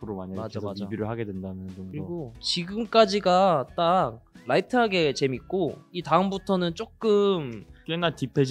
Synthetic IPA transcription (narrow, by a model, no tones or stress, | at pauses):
pʰɯɾomaɲaasibiɾɯɭhaɡe̞dwendanɯnt͡ɕʌŋdɯɾiʌɡot͡ɕiɡɯmk͈ad͡ʑiɡat͈ak̚ɾaitʰɯɦaɡe̞t͡ɕe̞mik̚k͈oitaɯmbutʰʌnɯnt͡ɕ͈ok͈ɯmkwenatipʰed͡ʑ